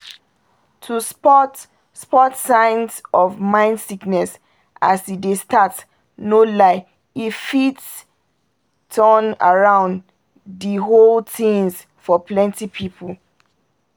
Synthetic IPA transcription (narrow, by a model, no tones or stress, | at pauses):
tʰuspɔt | spɔtsãɪ̃nsɔvmãɪ̃ndsiknɛs | ʔasidestat | nolaɪ | ifits | tʰɔna̰ɹãʊ̃n | diɦoltĩŋs | fɔplɛ̃ntipʰipʰul